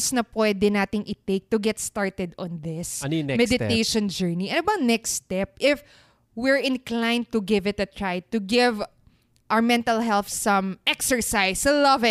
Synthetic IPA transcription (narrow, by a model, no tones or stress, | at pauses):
snɐpwɛd̪ɛnaːt̪ɪŋʔɪt̪ejk̚t̪ʊɡɛt̪st̪aɹt̪ɛd̪ɔ̰̃nðɪsnmɛd̪ɪt̪ejʃɔ̃nd͡ʒɛɹniɛ̃nɐbɐŋnɛkst̪ɛp̚ʔɪf | wɪɹɪ̃nklãjnt̪ʊɡɪvɪt̪ɐt̪ɹajt̪ʊɡɪv | ʔaɹmɛ̃nt̪ɐlɦɛlθsɐ̃mʔɛksɛɹsajsɐlɐvɪ